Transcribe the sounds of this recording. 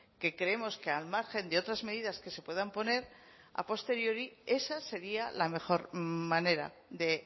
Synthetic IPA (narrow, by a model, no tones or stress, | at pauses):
ke̞kɾeemo̞ske̞almaɾxe̞nd̪eo̞t̪ɾazmeðiðaske̞se̞pwe̞ðampo̞ne̞ɾ | a̰po̞st̪e̞ɾjo̞ɾie̞sase̞ɾialame̞xo̞ɾmane̞ɾa̰ | ðe̞